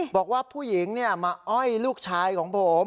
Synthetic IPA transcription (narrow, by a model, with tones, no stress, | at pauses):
bɔː˨˩k̚waː˥˩pʰuː˥˩ji˩˦ŋni˥˩ɐmaː˧ʔɔ˥˩jluː˥˩k̚t͡ɕʰaː˧jkʰɔː˩˦ŋpʰo˩˦m